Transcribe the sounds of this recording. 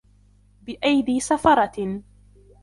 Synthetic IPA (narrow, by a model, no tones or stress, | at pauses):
bɪʔajd̪iːsafɑɾˤɑ